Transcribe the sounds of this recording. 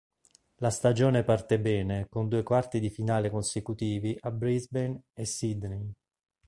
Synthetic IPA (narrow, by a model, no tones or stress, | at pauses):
last̪ad͡ʒoːnepart̪ebɛːnekond̪uːekwart̪id̪ifinaːlekonsekut̪iːviʔabɾizbenesːid̪ni